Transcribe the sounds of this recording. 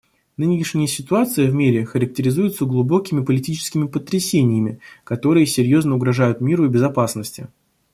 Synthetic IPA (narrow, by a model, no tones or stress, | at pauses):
nɨnʲɪɪʂnʲɪjəsʲɪt̪ʊat̪sɨjəvmʲiɾʲɪxəɾək̚tʲɪɾʲɪzujʊt̪səɡlˠʊbo̞kʲɪmʲɪpəlʲɪtʲit͡ɕɪ̥skʲɪmʲɪpət̪ɾʲɪsʲenʲɪjəmʲɪkɐt̪o̞ɾɨjəsʲɪɾʲjo̞znəʊɡɾɐʐajʊt̪mʲiɾʊbʲɪzɐpasnəsʲtʲɪ̰